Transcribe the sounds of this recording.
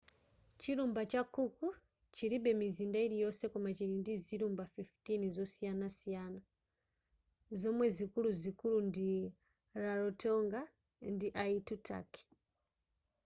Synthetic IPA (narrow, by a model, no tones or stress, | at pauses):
t͡ʃiɾumbat͡ʃakuku | t͡ʃiɾiɓɛmizindaiɾijɔsɛkumat͡ʃiɾindiziɾumbafiftinizɔsijanasijana | zɔmwɛzikuluzikulundi | ɾaɾɔtʰɔŋɡa | ndiʔaitutʰa̰ki̥